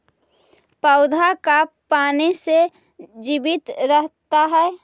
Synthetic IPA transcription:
pəʊd̪ʱakapanise | d͡ʒibit̪ɾəɦt̪aɦɛe

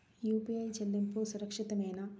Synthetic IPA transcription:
juːpiɐjd͡ʒɐlːimpusuɾɐkʂit̪ɐmeːnɐ

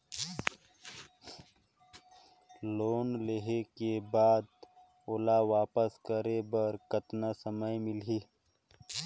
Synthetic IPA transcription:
loːnleɦekebaːd̪̚ | oːlaːwaːpəskəɾebɐɾkɐt̪nasəməjmilɦi

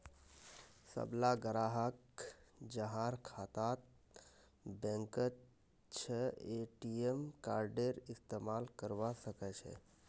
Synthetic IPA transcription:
sə̰blaɡəɾaːɦək | d͡ʒəɦãɾkʰaːt̪at̪̚ | bɛ̃ŋkət̪ | t͡ʃʰeeʈiemkaːɾɖeɾɪst̪emaːlkəɾʋasəkɛt͡ʃʰɛ̰

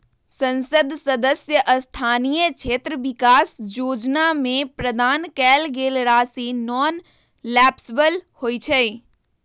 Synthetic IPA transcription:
sə̃nsəd̪ʱsəd̪əsjəʔəst̪ʰaːnijət͡ʃʰeːt̪ɾəʋɪkaːsjoːd͡ʒnamẽpɾəd̪ʱaːnkɛːlɡeːlɾaːsinɔːn | lɛːpsʋəlhoːit͡ʃʰəi

